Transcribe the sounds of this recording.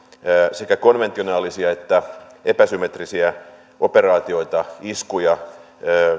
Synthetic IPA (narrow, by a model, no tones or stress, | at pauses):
sekækonʋent̪ionɑːlisiɑet̪ːæepæsymet̪risiæ | ʔoperɑːt̪io̞it̪ɑiskujɑ | øː